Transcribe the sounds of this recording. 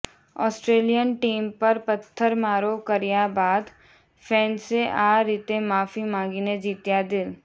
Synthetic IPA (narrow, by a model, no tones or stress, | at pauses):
ɔ̰ːsʈɾeːlijənʈiːmpɐɾpɐt̪ʰːəɾmaːɾoːkɐɾijabaːd̪ | fʰɛ̃ːnseʔaːɾiːt̪emaːfimãːŋɡined͡ʒiːt̪jad̪ɪl